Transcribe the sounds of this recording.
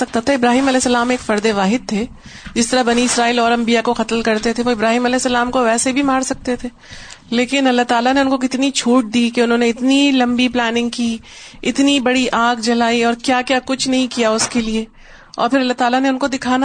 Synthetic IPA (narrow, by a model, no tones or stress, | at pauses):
ɐk̚t̪at̪ʰaɪbɾaːɦiːmɐlɛːsːəɐlaːmeːkfɐɾd̪eʋaːɦɪd̪̚t̪ʰe | d͡ʒɪst̪ɐɾabɐniɪsɾaːiːlɔːɾɐ̃mbijakoxɐt̪lkɐɾt̪et̪ʰeʋoɪbɾaːɦiːmɐlɛːsːɐlaːmkoʋɛːsebʱimaːɾsɐk̚t̪et̪ʰeː | leːkɪnɐlːaɦt̪aːlaneʊnkok̬ɪt̪nit͡ʃʰuːʈ̚d̪iːkeʊnɦõːneɪt̪nilɐ̃mbiplɛːnɪ̃ŋɡ̚ki | ɪt̪nibɐɽiʔaːɡd͡ʒɐlaːiɔːɾkjaːkjaːkʊt͡ʃʰnɐɦĩkijaʊskelie | ɔ̰ːɾfɪɾɐlːaɦt̪aːlaneʊnkod̪ɪkʰaːna